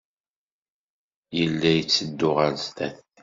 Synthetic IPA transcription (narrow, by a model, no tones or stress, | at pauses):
jəlːæjət͡sːəd̪ːʊʁəlzt̪æθ